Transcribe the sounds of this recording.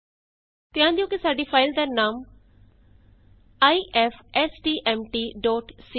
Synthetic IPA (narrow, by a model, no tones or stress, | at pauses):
t̪ɪãːnd̪iõkisaːɖifʰaːɪld̪aːnaːm | aːiʔɛfʰɛsʈiːʔɛmʈiːɖɔːʈsi